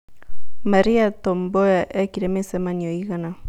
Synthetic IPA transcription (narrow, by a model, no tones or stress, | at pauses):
maɾiat̪omboaʔɛkiɾemesɛmanioiɣana